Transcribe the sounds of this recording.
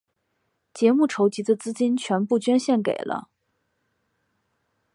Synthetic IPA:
t͡ɕjɛ˧˥mu˥˩ʈ͡ʂʰo˧˥ʊt͡ɕi˧˥d̪ə˧t͡sɹ̩˥t͡ɕi˥nt͡ɕʰɥɛ˧˥npu˥˩t͡ɕɥɛ˥nɕjɛ˥˩nkḛ˨˩ɪlʔə̰˦

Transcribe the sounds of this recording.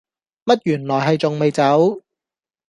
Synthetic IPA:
mɐ˥t̚jyː˨˩nlɔː˨˩jɦɐ˨jt͡sʊ˨ŋme˨jt͡sɐ˨˥w

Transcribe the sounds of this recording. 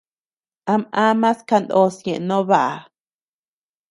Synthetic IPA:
a˧mã˦mã˦ska˧nd̪o˦sjẽ˨ʔnõ˦βa˦ʔa˨

